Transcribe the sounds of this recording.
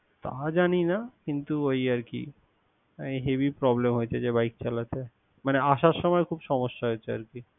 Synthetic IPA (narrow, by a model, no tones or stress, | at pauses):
t̪a̰d͡ʑaninakint̪uojaɾkḭ | ejɦebipɾɔblemɦojet͡ɕʰed͡ʑebajk̚t͡ɕalat̪ʰe | maneaʃaɾʃɔmɔekʰubʃɔmoʃːaɦoet͡ɕʰea̰ɾki